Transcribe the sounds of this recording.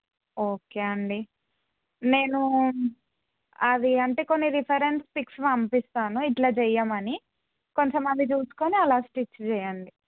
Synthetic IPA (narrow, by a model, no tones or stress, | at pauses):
o̞ːke̞ːɐɳɖi | ne̞ːnu | ɐd̪iɐɳʈe̞ːko̞nːiɾipʰɐɾe̞nspikslɐmpist̪aːnuiʈlaːt͡ʃɛjːaːmɐni | ko̞ɲt͡ʃɐmɐnd̪it͡ʃuːsu̥koːniɐlaːsʈit͡ʃːt͡ʃɛːjɐɳɖi